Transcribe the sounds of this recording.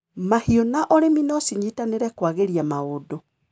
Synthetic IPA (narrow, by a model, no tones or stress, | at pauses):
mahiɔnaʔɔɾeminɔsiɲitaneɾɛkwaɣeɾiamaodo